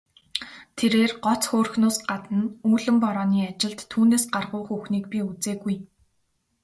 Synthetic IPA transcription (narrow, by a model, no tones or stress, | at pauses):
t̪ʰeɾeːrɢɔt͡sxoːrxnʊːsɢat̪ə̆nuːɮɘ̆mpɔɾɔːniːat͡ɕɪ̆ɮt̪ʰːuːneːsɢarʁʊːχuxniːkpiut͡seːɡuj